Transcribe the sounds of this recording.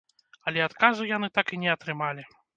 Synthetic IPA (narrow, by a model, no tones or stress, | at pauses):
ɐlʲɛat̪kazujanɨt̪akinʲɛɐt̪ɾɨmalʲi